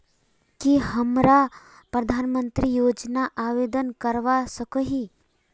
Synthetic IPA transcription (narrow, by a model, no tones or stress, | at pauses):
kihəmɾa | pɾɐd̪ʱaːnmə̃nt̪ɾijoːd͡ʒnaʔaːʋeːd̪ənkəɾʋasəkəɦi